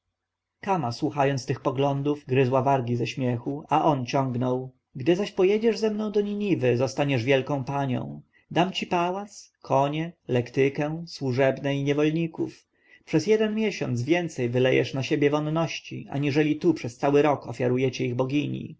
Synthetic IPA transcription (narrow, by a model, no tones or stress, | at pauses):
kamaswuxajɔnt̪st̪ɘxpɔɡlɔnd̪uvɡɾɘzwavaɾɡʲizɛɕmʲjɛxuaʔɔnt͡ɕɔ̃ŋɡnɔw | ɡd̪ɘzaɕpɔjɛd͡ʑɛʐzɛmnɔ̃w̃d̪ɔɲiɲivɘzɔst̪aɲɛʐvʲjɛlkɔ̃w̃paɲɔ̰̃w̃ | d̪amt͡ɕipawat̪skʰɔɲɛlɛkt̪ɘkɛswuʐɛbnɛiɲɛvɔlɲikṵf | pʂɛzjɛd̪ɛnmʲjɛɕɔ̰nd̪zvʲjɛnt̪sɛjvɘlɛjɛ̰ʂnaɕebʲjɛvɔnːɔɕt͡ɕḭʔa̰ɲiʐɛlʲit̪upʂɛst̪sawɘɾɔkɔfʲjaɾujɛt͡ɕɛiɣbɔɡʲiɲḭ